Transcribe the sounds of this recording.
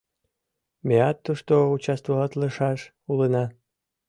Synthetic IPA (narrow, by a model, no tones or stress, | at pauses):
mʲeɑt̪ːoʃt̪out͡ɕast̪volɑt̪ləʃɑʃ | ulənɑ